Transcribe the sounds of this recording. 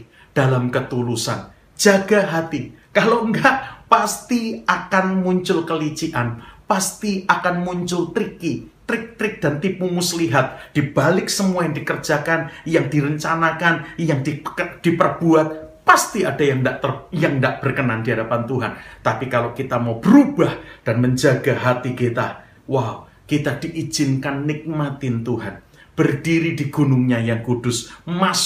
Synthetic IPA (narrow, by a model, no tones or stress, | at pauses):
d̥alamkət̪ulusa̰n | d͡ʒaɡaɦat̪ikaloŋɡaʔpast̪iakanmuɲt͡ʃʊlkəlit͡ʃiʔanpast̪iʔakanmuɲt͡ʃʊlt̪ɾikit̪ɾɪk̚t̪ɾɪk̚d̥ant̪ipumusliɦat̪̚d̥ib̥alɪksəmuajaŋdikərd͡ʒakanjaŋdiɾəɲt͡ʃanakanjaŋdid̥ipərb̥uat̪̚past̪iadajaŋdaʔt̪ərjaŋndaʔb̥ərkənandiɦadapant̪uɦant̪apikalakit̪amaub̥əɾub̥ahd̥anməɲd͡ʒaɡaɦat̪ikit̪a | waw | kit̪ad̥iʔid͡ʒ̥ɪnkanːɪk̚mat̪ɪnt̪uɦan | b̥ərdiɾidiɡ̥unʊŋɲajaŋkud̥ʊsmas